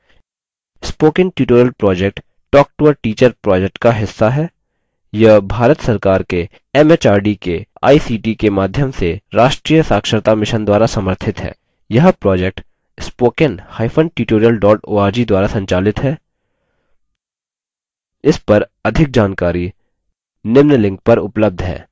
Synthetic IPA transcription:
spoːkɪ̃nʈjuːʈoːɾjəlpɾɔːd͡ʒek̚ʈː | ɔːk̚ʈoʋəʈiːt͡ʃəɾpɾɔːd͡ʒek̚ʈkaɦɪsːaɦɛː | jɐbʱaːɾət̪sɐɾkaːɾke | ɛmet͡ʃaːɾɖikea̰ːisiːʈikemaːd̪ʱjəmseɾaːʃʈɾiːjəsaːkʃəɾt̪amɪʃənd̪waːɾasɐməɾt̪ʰɪt̪ɦɛ̰ː | jɐɦpɾɔːd͡ʒek̚ʈ | spoːkənhaːɪfʰənʈiːʈoːɾijəlɖɔːʈoːaːɾd͡ʒid̪waːɾasɐ̃ɲt͡ʃaːlɪt̪ɦɛː | ɪspɐɾɐd̪ʱɪk̚d͡ʒaːnkaːɾi | nɪʋnəlɪ̃ŋk̚pɐɾʊpləb̚d̪ʱɦɛ̰ː

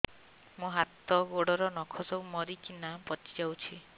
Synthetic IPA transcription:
mũɦat̪ɔɡoɽɔɾɔnɔkʰɔsɔwmɔɾikinapɔt͡ʃi̥d͡ʒawt͡ʃʰi

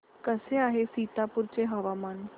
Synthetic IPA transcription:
kəseaːɦesiːt̪apuɾt͡ɕeɦəʋamaːn

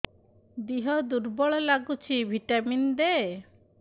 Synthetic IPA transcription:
d̪iɦɔd̪uɾbɔɭɔlaɡut͡ʃʰibʱiʈamind̪e

